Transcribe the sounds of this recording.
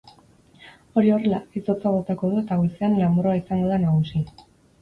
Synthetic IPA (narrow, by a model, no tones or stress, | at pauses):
o̞ɾio̞re̞laiso̞t͡saβo̞t̪ako̞ð̞ue̞t̪aɣuseanlambɾoaisaŋɡo̞ð̞anaɣusi